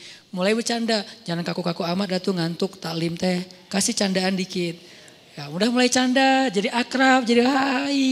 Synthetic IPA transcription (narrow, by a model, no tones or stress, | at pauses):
mulajbərt͡ʃandad͡ʒaŋankakukakuamat̪̚dat̪uŋant̪ʊk̚t̪alɪmt̪ɛkasit͡ʃandaandikɪt̪̚ | jamudahmulajt͡ʃandad͡ʒadiʔakɾap̚d͡ʒadiɦai